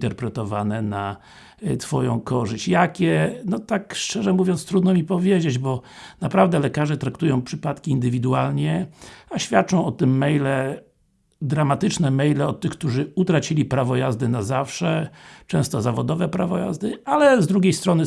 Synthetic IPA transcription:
t̪ɛɾpɾɛt̪ɔvanɛna | t̪fɔjɔ̰̃w̃kɔʐɘɕt͡ɕjakʲɛnɔt̪akʂt͡ʂɛʐɛmuvʲjɔnt̪st̪ɾud̪nɔmʲipɔvʲjed͡ʑed͡ʑbɔnapɾavd̪ɛlɛkaʐɛt̪ɾakt̪ujɔ̃w̃pʂɘpat̪kʲiːnd̪ɘvʲid̪ualɲɛaɕfʲjat̪̚t͡ʂɔ̃w̃ɔt̪ɪmːɛjlɛ | d̪ɾamat̪ɘt͡ʂnɛmɛjlɛɔt̪ːɘxk̚t̪uʐɘut̪ɾat͡ɕilʲipɾavɔjazd̪ɘnazafʂɛt͡ʂɛ̃w̃st̪ɔzavɔd̪ɔvɛpɾavɔja̰zd̪ɘalɛzd̪ɾuɡʲejst̪ɾɔnɘ

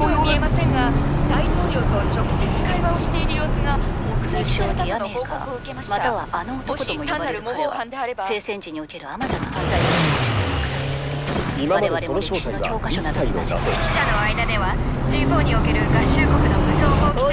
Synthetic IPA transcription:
t̪ojomie̞masẽ̞ŋɡad̪ait̪o̞ːɾʲo̞ːt̪o̞t͡ɕo̞kɯ̟̥se̞t͡sɨ̥kaiβaoɕi̥t̪e̞iɾɯjo̞ːsɨɡamokɯ̟saot̪anookooɯ̟kemaɕiaaaanoːt̪okɕot̪ãnːaɾɯ̟mohoːhãnd̪eaɾe̞base̞ːsẽ̞ɲd͡ʑiɲ̟iokeɾɯ̟amat̪anaazaoɕioookɯ̥sa | imadmad̪eonoɕoːt̪aooːkasɕskʲi̥ɕano̞aid̪ad̪e̞βad͡ʑĩɦo̞ːɲ̟io̞ke̞ɾɯ̟ɡaɕːɨːko̞kɯ̟no̞mɯ̟so̞ːɡaokit̪

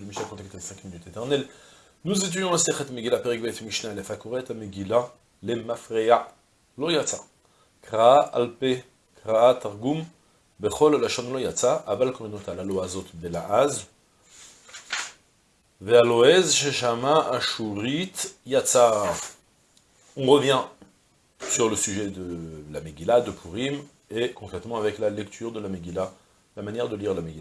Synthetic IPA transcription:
ləmiʃnakɔ̃t̪akt̪lesɛ̃kminyt̪et̪ɛʁnɛl | nuzet̪̬yd̪jɔ̃laseχɛt̪meɡilapeʁɛk̚bɛjt̪miʃnaɛlɛfakoʁeɛt̪ameɡila | lemafʁea | lɔjat͡sa | kʁaaʔalpe | kʁaat̪aʁɡum | beχɔllaʃɔnlɔjat͡saʔːvalkominot̪alaloazɔt̪belaʔaz | vealoɛzʃeʃamaʔaʃuʁit̪jat͡sa | ɔ̃ʁəvjɛ̃ | syʁləsyʒɛd̪əlameɡʲilad̪əpʰuʁim | ekɔ̃kχɛt̪mɑ̃avɛklalɛkt̪ʰyʁd̪əlameɡʲila | lamanjɛʁd̪əliʁlameɡila

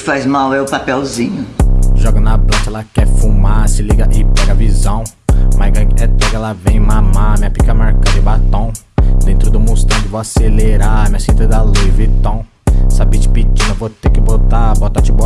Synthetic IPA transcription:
fajzmawɛʊpapɛwzĩɲʊʒɔɡɐnɐplɐ̃t͡ʃɐlakɛfumasɪliɡɐʔɪpɛɡɐvizɐ̃w̃ | maɡɐ̃ɛt̪ɛɡɐlavẽj̃mãmamĩɐpikamaɾkɐ̃d̪ɪ̃bat̪õw̃d̪ẽnt̪ɾʊd̪ʊmost̪ɐ̃w̃kɪvoaseleɾamĩɐsĩt̪ɐd̪aluvit̪ɐ̃w̃ | sabit͡ʃɪ̥pit͡ʃĩnɐvot̪ekɪbot̪abot̪at͡ʃɪbɔ

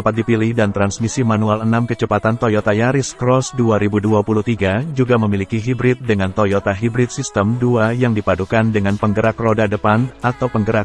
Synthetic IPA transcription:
apat̪̚dipilɪhdant̪ɾansmisimanualənamkət͡ʃəpat̪ant̪ojot̪ajaɾɪskɾɔsduaɾibuduapuluht̪iɡad͡ʒuɡaməmilikiɦibɾɪt̪̚dəŋant̪ojot̪aɦibɾɪt̪̚sist̪əmduajaŋdipadukandəŋanpəŋɡəɾakrodadəpanat̪awpəŋɡəɾak̚

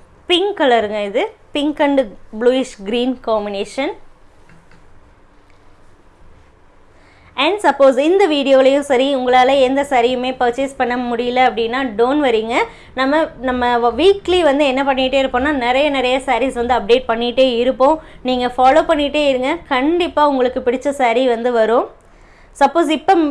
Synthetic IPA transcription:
pɪŋkɐlɐɾɯŋɡɐɪðɯpɪŋkɐɳɖbluːɪʂɡɾiːnkaːmɪneːʂɐn | ɛɳɖsɐpːoːsɪnd̪ɐʋiːɽɪjoːɪlɐjʊ̃sɐɾiʊŋɡɐɭaːlɐɛnd̪ɐsɐɾɪjɯmeːpɐɾt͡ʃɪspɐɳːɐmʊɽɪjɐlɐɐpːɐɽɪnːaːɖoːnʋɐɾiːŋɡɐ | nɐmːɐnɐmːɐʋiːkliʋɐnd̪ɯɛnːɐpɐɳːɪʈːeːɪɾɯpːõːnːaːnɪɾɐjɐnɪɾɐjɐsaːɾisʋɐnd̪ɯɐp̚ɖeːʈ̚pɐɳːɪʈːeːɪɾɯpːõːniːŋɡɐfaːloːpɐɳːɪʈːeːɪɾɯŋɡɐkɐɳɖɪpːaːʊŋɡɐɭɯkːɯpɪɽɪt͡ʃːɐsɐɾiʋɐnd̪ɯʋɐɾʊ̃ | sɐpːoːs̬ɪpːɐ

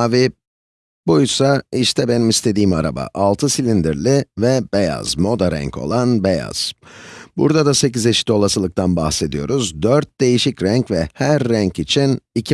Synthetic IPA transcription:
avi | bujsaiʃt̪ʰɛbenimist̪ʰe̞d̪iːmaɾa̰ba̰ʔalˠt̪ʰɯsilʲind̪iɾlʲivɛbeja̰zmo̞d̪aɾæ̰ɲcʰo̞̰lˠanbeja̰z̥bṵɾd̪ad̪ase̞cizeʃi̥t̪o̞lˠasɯlˠɯk̚t̪ʰanbaxse̞d̪ijo̞ɾuzd̪øɾt̪̚d̪e̞jiʃicɾæɲcvɛhæɾːæɲcit͡ʃʰinicʰi

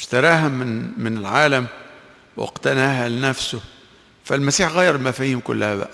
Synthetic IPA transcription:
ʃt̪ɑɾˤɑːɦamɪnmɪnɪlʕaːlam | wɪ̰qt̪anaːɦalɪnæfsʊ | falmasiːħɣæːjːɑɾˤɪlmafahiːmkʊ̰lːahaba̰ʔæ

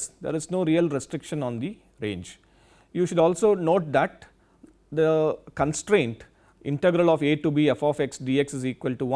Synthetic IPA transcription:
sd̪ḛːɾɪznoːɾiːəlɾesʈɾɪkʃə̃nɔ̃ːnd̪i | ɾḛ̃ːɲd͡ʒ | juːʃʊɖɔːlsoːnoːʈ̚d̪æʈ̚ | d̪əkə̃nsʈɾẽːɳʈ | ɪ̰̃ɳʈeɡɾəlɔːfeːʈubiefɔːfeksɖiːeksɪziːkʋəlʈuʋɐ̃

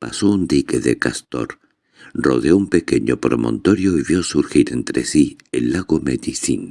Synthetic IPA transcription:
pa̰sound̪ikeðḛkast̪o̰ɾ | roðeoumpe̞keɲopɾomʔõ̰nt̪oɾjoiβjosuɾxiɾe̞nt̪ɾesielːaɣomeðiθin

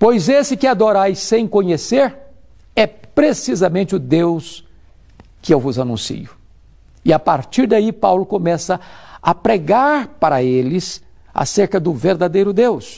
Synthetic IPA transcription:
pojzesɪkɪad̪oɾajsːẽj̃kõɲeseɾ | ɛpɾesizɐmẽnt͡ʃɪʊd̪ews | kɪewvʊzanũsḭʊ | ɪapaɾt͡ʃiɾd̪aipawlʊkõmɛsɐɐpɾeɡaɾpaɾɐelɪs | a̰seɾkɐd̪ʊveɾd̪ad̪ejɾʊd̪ews

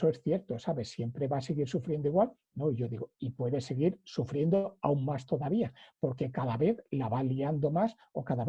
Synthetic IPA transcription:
oesθje̞ɾt̪o̞saβe̞sːje̞mpɾeβaseɣiɾsufɾje̞nd̪oiɣwal | no̞ʝo̞ðiɣoipwe̞ðe̞se̞ɣ̞iɾsufɾje̞nd̪oa̰uŋmast̪o̞ðaβiapo̞ɾke̞kaðaβe̞θlaβaliand̪o̞mas | o̞kaðaβ

